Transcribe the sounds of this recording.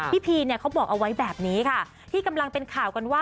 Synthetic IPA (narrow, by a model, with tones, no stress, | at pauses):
pʰiː˥˩pʰiː˧ni˥˩ɐkʰa˦˥wbɔː˨˩k̚ʔa˧wa˦˥jbɛː˨˩p̚niː˦˥kʰa˥˩ | t̪ʰiː˥˩ka˧mla˧ŋpe˧nkʰaː˨˩wka˧nwaː˥˩